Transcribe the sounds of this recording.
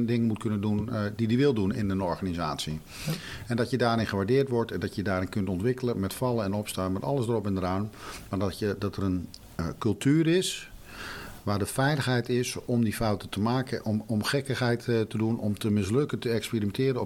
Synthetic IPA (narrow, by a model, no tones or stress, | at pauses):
dɪŋənmut̚kʰɵnəndundidiʋɪlˠdunɪ̰ndənɔɹɣanizaːtsi | ɛndɔtjədaːɾɪ̃nχəʋaːɹdɪːrtʋɔɹtɛndɔtjədaːɾɪnkɵntɔntʋɪkələmɛtfɑlˠəɛnɔpstaːnmɛtɑ̰lˠəsdərɔpɪndəraːnmaːdədɔtərən | kɵlˠtʰyːərɪs | ʋaːdəfɛjləxɦɛjtɪsɔmdifɔwtətəmaːkəʔmɔmχɛkəxɦɛjttədunɔmtəmɪs̬lɵkəntəɛkspiːrimɛntɪːɾənɔ